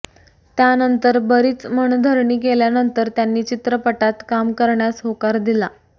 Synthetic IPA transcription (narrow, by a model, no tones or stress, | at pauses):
t̪janənt̪əɾbəɾiːt͡sməɳd̪ʱəɾɳiːk̬eljanənt̪əɾt̪janːiːt͡ɕit̪ɾəpəʈat̪kamkəɾɳjasɦokaɾd̪ila